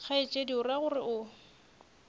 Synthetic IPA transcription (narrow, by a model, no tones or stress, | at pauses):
k͡xʰaɪt͡ʃʼediʊraɣʊrɪʔʊ